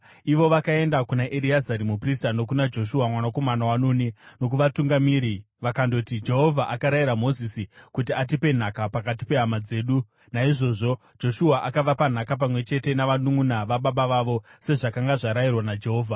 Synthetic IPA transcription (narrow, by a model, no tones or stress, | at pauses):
iʋo̞ʋakae̞ndakunaʔeɾiazaɾimupristano̞k̬unad͡ʒo̞ʃuamwanako̞manawanonino̞k̬uʋatuŋɡamiːɾi | ʋakando̞tid͡ʒe̞ɦo̞vʱaʔakaɾaiɾamo̞zisikut̬iat̬ipe̞n̤akapakat̬i̥pe̞ɦamad͡ze̞ːɗu | naiʐo̞ʐo̞ | d͡ʒo̞ʃuaʔakaʋapan̤akap̬amwe̞t͡ʃe̞te̞naʋanuŋunaʋaɓaɓaʋaʋo̞se̞ʐakaŋɡaʐaɾajirwanad͡ʒe̞ɦo̞ːvʱa